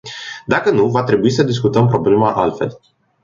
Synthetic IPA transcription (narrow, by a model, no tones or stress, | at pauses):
d̪akənuvat̪ɾe̞buisəd̪iskut̪əmpɾo̞ble̞maʔa̰lt̪fe̞̰l